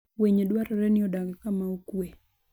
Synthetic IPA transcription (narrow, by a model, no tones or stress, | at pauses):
weɲedwaɾɔɾɛnɪɔdaɡɪkamaokwe